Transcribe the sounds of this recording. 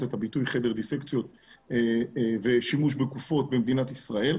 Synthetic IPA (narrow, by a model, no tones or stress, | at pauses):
tet̪abitujχe̞d̪eʁd̪isekt͡sjo̞t̪̚ | veʃimuʃbekufo̞t̪̚bemd̪inat̪isʁae̞l